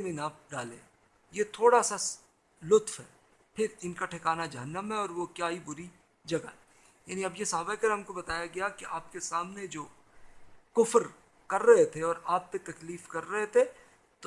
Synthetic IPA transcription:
nĩnaːp̚ɖaːlḛ̃ː | jet̪ʰoːɽasa | lʊt̪fɦɛː | pʰɪɾɪnkaʈʰɪkaːnad͡ʒɐɦənːəmɦɛɔːɾʋokjaːɦibʊɾi | d͡ʒɐɡa̰ɦɛ | ja̰ːniɐbjesaːbakəɾɦɐmkobɐt̪aːjaɡɐjakiaːp̚kesaːmned͡ʒoː | kʊfəɾ | kɐɾːɐɦet̪ʰeɔːɾaːp̚t̪et̪ɐkliːfkɐɾːɐɦet̪ʰe | t̪o

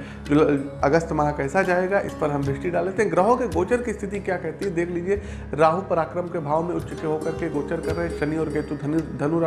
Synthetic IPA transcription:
d͡ʒlɐɡəst̪mɐɦãkɛːsad͡ʒaːeːɡaʔɪ̰spɐɾɦɐmbɾɪʃʈiɖaːleːt̪eɦɛ̃ɡɾəɦõkeɡoːt͡ʃəɾkist̪ʰɪt̪ikjaːkɛɦt̪iɦɛ̃d̪eːkʰliːd͡ʒie | ɾaːɦupɐɾaːkɾəmkebʱaːʋmẽʊtːʃɪt͡ʃeɦokɐɾkeɡoːt͡ʃəɾkɐɾːɐɦẽʃɐniɔːɾɡɐːt̪ud̪ʱɐnuɾa

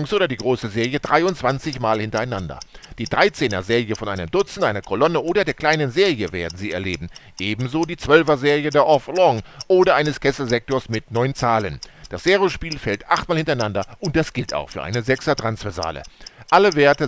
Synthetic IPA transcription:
ŋstʔoːdɐdiːɡʁoːsəzeːʁjədʁaɪʊntt͡sv̥ant͡sɪçmaːlhɪntɐaɪnandɐ̰d̥iːdʁaɪt͡seːnɐzeːɐʁjəfɔnʔaɪnəmdʊt͡sn̩aɪnɐkʰolɔnəʔoːdɐdeːɐkl̥aɪnənzeːʁjəveːɐdn̩ziːɛɐleːbm̩ʔeːbm̩zoːdiːt͡sv̥œlvɐzeːʁijədeːɐʔɔfʁɔŋʔoːdɐʔaɪnəskʰɛslzɛk̚toːɐsmɪtnɔʏnt͡saːlənd̥asz̥eːʁjoʃpiːlfɛltʔaχt̚maːlhɪntɐaɪnandɐʊnt̚d̥asɡ̥ɪlta̰ʊxfyːɐʔa̰ɪnəzɛksɐtʁ̥ansv̥ɛɐza̰ːlə̰ʔaləveːɐtə

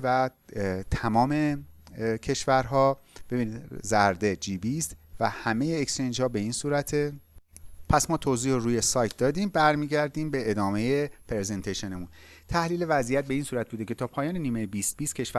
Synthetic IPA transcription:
væ | t̪ʰæmɒːme̞ | cʰe̞ʃvæɾɦɒːb̥e̞biːniːd̪zæɾd̪e̞d͡ʒiːbist̪væhæmejeːkst͡ʃʰend͡ʒhɒːbe̞iːnsuːɾæt̪ʰe | pʰæsmɒːt̪ʰoːziːhoɾuːjesɒːjt̪̚ʰd̪ɒːd̪iːmbæɾmiːɟæɾd̪iːmbe̞ːd̪ɒːme̞jepʰɾezent̪ʰeʃenemunt̪ʰæhliːle̞væzijæt̪̚be̞iːnsuːɾæt̪buːd̪e̞kcʰe̞t̪ʰɒːpʰɒːjɒːneniːmejbist̪̚biːst̪̚cʰe̞ʃvæ

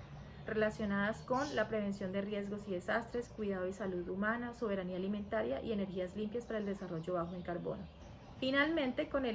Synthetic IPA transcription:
re̞lasjo̞naðasko̞nlapɾe̞βe̞nsjo̞nd̪e̞rje̞zɡo̞siðe̞sast̪ɾe̞skwiðaðoisaluðumanasoβe̞ɾaniaːlimẽ̞nt̪aɾjaʔie̞ne̞ɾxiazlimpjaspaɾaeld̪e̞saro̞ʝo̞βaxoeŋkaɾβo̞̰no̞ | finalmẽ̞nt̪e̞ko̞ne

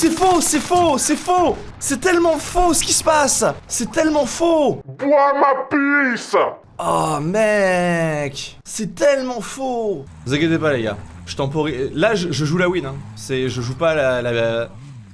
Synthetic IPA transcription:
sɛfosɛfosɛfo | sɛt̪ɛlmɑ̃fosə̥kʲisə̥pasːɛt̪ɛlmɑ̃fobwamapyis | ɔmɛ | k | sɛt̪ɛlmɑ̃fo | zaɡet̪epalaɡa̰ | ʒ̥ət̪ɑ̃pɔʁilaʒəʒəʒulawinɛ̃sɛʒəʒupalala

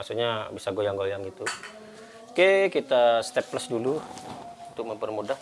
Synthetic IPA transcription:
asuɲabisaɡojaŋɡojaŋɡit̪u | kekit̪ast̪ɛplasdulu | unt̪ʊk̚məmpərmudah

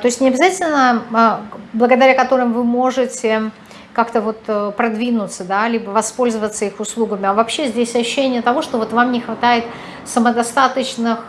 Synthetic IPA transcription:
t̪o̞ɪsʲtʲnʲɪɐbʲɪzatʲɪlʲnə | blˠəɡəd̪ɐɾʲakɐt̪o̞ɾɨmvɨmo̞ʐɨtʲɪ | kakt̪əvo̞t̪pɾɐd̪vʲinʊt̪səd̪alʲibəvɐspo̞lʲzəvət̪səixʊslˠuɡəmʲɪɐvɐpɕːezʲdʲesʲɐɕʊɕːenʲɪjət̪ɐvo̞ʂt̪o̞vo̞t̪vamnʲɪxvɐt̪ajɪt̪ | səməd̪ɐst̪at̪ət͡ɕnɨx

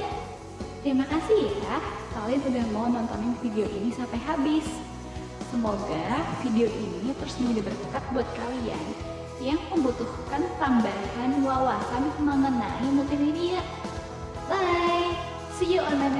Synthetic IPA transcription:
t̪ɾimakasikah | kalojansudahmaunɔnt̪ɔnanfideoʔinisampajɦabɪsː | əmoɡafideoʔinit̪əɾʊsməd͡ʒadabərkəkat̪̚buat̪̚kawia̰n | jaŋməmbut̪uhkant̪ambakanwawasanməŋənaimət̪eminiaʔ | laj | sid͡ʒaʔonan

